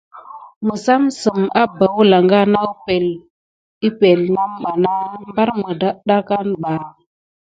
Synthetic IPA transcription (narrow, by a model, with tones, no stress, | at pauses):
mə˨sa˦msə˨ma˦ba˨wla˨ŋɡa˦na˦pe˨l | i˦pe˨lna˦mɓa˨na˦mba˦ɾmə˨da˦ɗa˦ka˦nɓa˨